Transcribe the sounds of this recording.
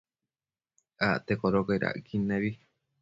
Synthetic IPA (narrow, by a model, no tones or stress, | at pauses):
at̪ekoɾokaiɾʔa̰ʔkʰinẽβi